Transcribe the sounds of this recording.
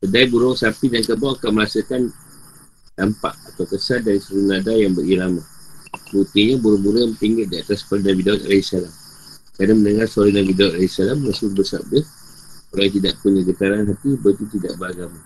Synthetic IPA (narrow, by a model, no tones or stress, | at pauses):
sədaibuɾɔŋsapidankəbawakaməɾasakan | d̥ampa̰ʔat̪awkəsadaɾisulunadajaŋbəɾiɾamabut̪iɲabuɾɔŋbuɾɔt̪iŋɡət̪̚diat̪asfalinabidawut̪a̰laisalam | kɾadamə̃ndəŋarsalinabidawut̪̚alaisalamːəsulbəsa̰p̚dəh | oɾaŋt̪̬idaʔpuɲaɡət̪aɾanɦat̪ibəit̪ut̪ida̰ʔbəɾaɡama